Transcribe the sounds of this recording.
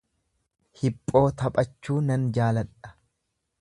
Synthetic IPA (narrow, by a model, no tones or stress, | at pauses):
hɪpʼːo̞ːt̪ɐpʼɐt͡ʃːuːnɐnd͡ʒaːlɐᶑɐ̥